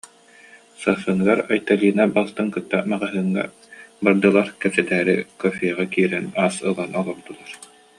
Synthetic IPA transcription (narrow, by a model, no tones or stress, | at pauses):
safɯŋɯɡaɾajt̪aliːnabalˠt̪ɯŋkɯt̪ːamaʁaɦɯŋːa̰ | baɾd̪ɯlˠaɾkɛpsɛt̪ɛːɾḭkɔfiɛʁakiːɾɛnaːsɯlˠanɔlˠɔɾd̪ulˠaɾ